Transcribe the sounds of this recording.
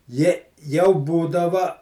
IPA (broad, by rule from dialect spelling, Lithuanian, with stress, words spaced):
ˈjɛ jɛʊ ˈbuːdɐʋɐ